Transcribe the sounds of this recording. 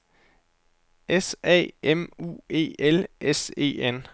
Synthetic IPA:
esɛ̰ːemṵːe̝̰ːelʔese̝̰ːen

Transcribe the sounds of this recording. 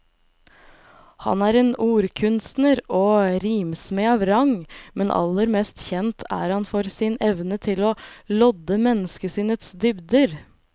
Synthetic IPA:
hɑ̰næːɾeːnuːɾkʰʉnst̪nəɾoːɾiːmsmeːɑːʋɾɑŋmɛnʔɑ̰lːəɾmɛst̪çɛnt̪ʰæ̰ɾhɑnfɔɾsɪnɛʋnət̪ʰɪloːlɔd̪əmɛnːəskəsiːnət̪sd̪ʏbd̪əɾ

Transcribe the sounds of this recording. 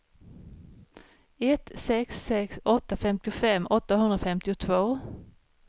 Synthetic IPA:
ɛt̪sɛksːɛksɔt̪ːafɛmt̪ɪʊfɛmːʔɔt̪ːahɵnd̪ɾafɛmt̪ɪʊt̪ʰvoː

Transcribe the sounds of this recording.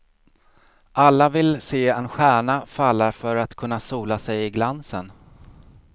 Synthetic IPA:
ʔalːavɪlseːɛnɧæːɳafalːaɾfœɾat̪kʰɵnːasuːlasɛjɪɡlansən

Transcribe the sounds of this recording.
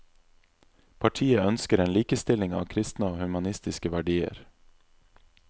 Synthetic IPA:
pʰɑʈʰiːəœnskəɾeːnliːkəst̪ɪlɪŋɑ̰ːkʰɾɪst̪nəoːhʉmɑnɪst̪ɪskəʋæɖiːə̰ɾ

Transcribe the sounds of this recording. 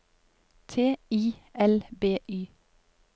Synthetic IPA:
t̪ʰeːiːʔɛlbeːʔyː

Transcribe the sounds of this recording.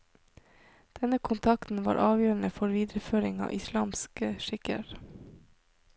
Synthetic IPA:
d̪̥ɛnəkʰʊnt̪ʰɑkt̪n̩ʋɑ̰ːɾʔɑːʋjøːɾn̩əfɔɾʋiːd̪ɾəføːɾɪŋɑ̰ːʔɪslɑːmskəʃɪkə̰ɾ

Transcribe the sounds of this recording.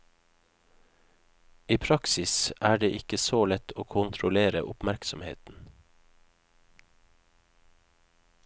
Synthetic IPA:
iːpʰɾɑksɪsæːɖeːʔɪkəsoːlɛt̪ʰoːkʰʊnt̪ʰɾʊleːɾə̰ʔʊpmæɾksɔmhḛːt̪n̩

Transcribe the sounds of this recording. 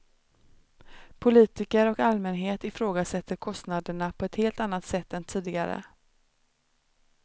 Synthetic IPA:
pʰʊliːt̪ɪkəɾɔkalmɛnɦeːt̪ɪfɾoːɡasɛt̪ʰːəɾkʰɔst̪nad̪əɳapʰɔɛt̪heːlt̪anːat̪sɛt̪ːɛnt̪ʰiːd̪ɪɡa̰ɾə̰

